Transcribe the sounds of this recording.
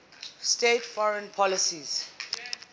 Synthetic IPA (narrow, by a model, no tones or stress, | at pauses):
stetfɔɹə̃npʰɔlisiz̥